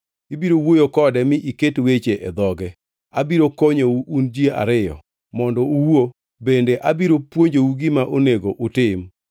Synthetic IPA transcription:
ibiɾowojokɔdɛmɪʔiketwet͡ʃeʔɛd̪ɔɡɛ | abiɾokoɲouʔund͡ʒiea̰ɾɪjɔ̰ | mɔndɔuwo | bendeʔabiɾopwoɲd͡ʒouɡɪmaʔoneɡoʔʊtɪm

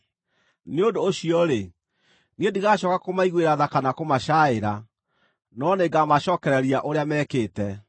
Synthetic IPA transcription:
neodoːɕiɔɾe | niendiɣaːɕɔkakomaiɣweɾaðakanakomaʃaeɾa | nɔneɡamaɕɔːkɛɾɛɾiaʔoɾeamɛːkeːtɛ

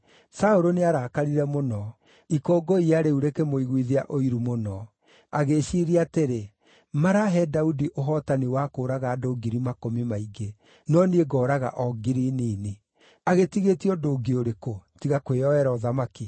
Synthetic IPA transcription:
saoɾoneaɾaːkaɾiɾɛmonɔ | ikoːɡɔiaɾeuɾekɛmoiɣwiðiaʔoiɾumonɔ | aɣeʃiɾiateɾe | maɾaɦɛdaudiʔoɦɔtaniwakoːɾaɣaːdoɡiɾimakomimaiɡe | nɔnieɡɔːɾaɣa̰ʔɔɡiɾiniːni | aɣetiɣetiɔdoːɡioɾekotiɣakweɔɛɾaɔðamaki

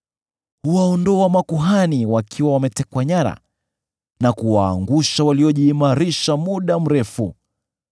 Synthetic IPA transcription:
huwaɔndɔamakuɦaniwakʰiwawamɛtɛkwaɲaɾa̰ | nakuwaːŋɡuʃawaliɔʄiːmaɾiʃamuɗam̩ɾɛfu

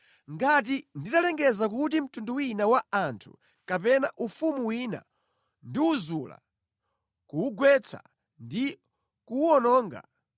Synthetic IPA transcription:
ŋɡat̬inditalɛŋɡɛzakutim̩tunduwinawaantʰu̥̰ | kapɛnaʔufumuwina̰ | ndiuzula̰ | kuːɡwɛt͡sʰa̰ | ndi | kuɔnɔːŋɡa̰

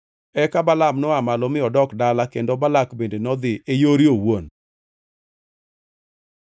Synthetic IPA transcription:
ɛkabalamnɔamalɔmɪɔdɔkdalakendobalakbendenɔd̪ɪejoɾiowon

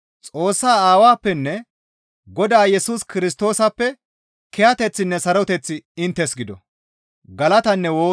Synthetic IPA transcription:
t͡sʼo̞ːsːaːaːwaːpːɛnːɛ | ɡɔd̪aːjɛsuːskɪɾɪs̬t̪o̞ːsɐpːɛ | kɛjɐt̪ɛt͡sːɪnːɛsɐɾɔt̪ɛt͡sːɪɪnt̪ːɛsɡɪd̪ɔ̰ | ɡɐlɐt̪ɐnːɛwoː

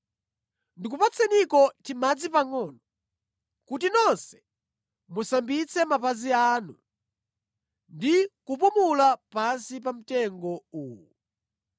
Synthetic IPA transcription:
ndikupat͡sʰɛnikɔtimad͡zipaŋɔnɔ | kutinɔnsɛ̥ | musambit͡sʰɛmapazianu | ndikup̬umulapansipam̩tɛŋɡɔuːwu

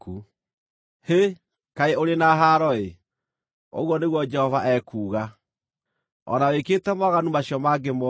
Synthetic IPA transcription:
ku | he | kaeoɾenaɦaɾɔe | o̰ɣwɔneɣwɔd͡ʒɛhɔvaʔɛkuːɣa | ɔ̰nawekeːtɛmɔɣanumaɕiɔmaɡemɔ

